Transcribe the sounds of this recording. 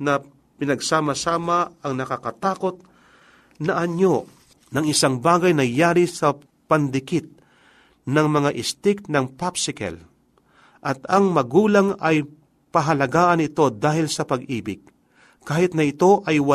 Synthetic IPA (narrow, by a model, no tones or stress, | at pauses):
nɐ | pɪnɐɡsaːmɐsaːmaɐŋnɐkakɐt̪aːko̞t̪̚ | nɐʔɐɲo | nɐŋɪsaŋbaːɡɐjnɐjaːɾɪsɐ | pɐnd̪ɪkɪt̪̚ | nɐŋmɐŋaʔɪst̪ɪk̚nɐŋpapsɪkɛ̰l | ʔɐt̪ɐŋmɐɡuːlaŋɐj | pɐɦɐlɐɡaːʔɐnɪt̪o̞d̪aːhɪlsɐpɐɡʔiːbɪɡ̥̚ | kaːhɪt̪nɐɪt̪o̞ʔɐjwɐ